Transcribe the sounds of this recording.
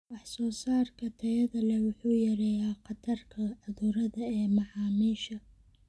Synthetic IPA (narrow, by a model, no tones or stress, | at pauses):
wɑħsɔːsaːrkʰɐt̪ʰɐjɐðɐlɛwʊħuːjɐɾɛːjaːqɑt̪ʰɐrkʰɐɐðuːɾɐðɐɛːmɑʕɑːmiːʃɐ